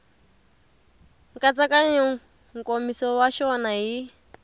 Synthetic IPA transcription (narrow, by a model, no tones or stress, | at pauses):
kʼat͡sakʼaɲɔ | ŋkʼomisɔwaʃɔnaɦi